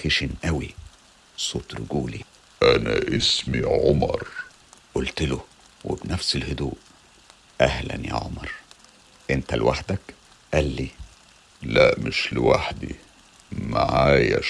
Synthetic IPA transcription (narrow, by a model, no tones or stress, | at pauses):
xeʃinʔæwi | sˤoːt̪ɾʊɡuːlḭ | ʔænæʔesmiʕomɑɾˤ | ʔʊlt̪ɪlo | wḛbnæfselhʊd̪uːʔ | ʔæhlæ̰nja̰ʕomɑɾˤ | ʔent̪ælwʔaħd̪æk | ʔæːlːiː | læʔmɪʃlɪwaħd̪i | maʕaːjæ